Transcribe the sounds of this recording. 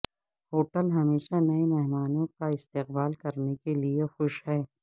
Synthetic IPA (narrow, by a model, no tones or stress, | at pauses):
hoːʈəlɦɐmeːʃanɐemɛɦmaːnõkaɪst̪eqbaːlkɐɾnekeliexʊʃɦɛː